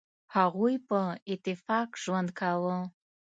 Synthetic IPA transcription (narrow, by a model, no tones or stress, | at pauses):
haʁʷujpʼɨetʼifakʼʒwandkʰalo